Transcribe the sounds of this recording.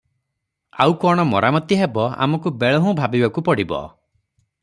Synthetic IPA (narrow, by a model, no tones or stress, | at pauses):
a̰wkɔɽ̃ɔmɔɾamɔt̪iɦebɔa̰mɔkubeɭɔɦũbʱabibakupɔɽibɔ̰